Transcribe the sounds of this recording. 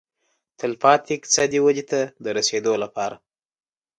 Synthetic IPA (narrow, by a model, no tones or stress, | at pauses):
t̪ʰɪlfɑt̪ɪkt͡sad̪iwad͡ʒit̪ad̪əɾased̪olapɑɾa